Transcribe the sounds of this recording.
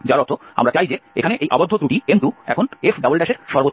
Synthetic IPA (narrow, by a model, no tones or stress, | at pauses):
d͡ʑaɾɔt̪oa̰mɾat͡ɕajd͡ʑeḛkʰaneʔejʔabod̪ʱːot̪ɾuʈiend̪uɛ̰kʰonefɖabolʈɛʃeɾʃɔɾbot̪ː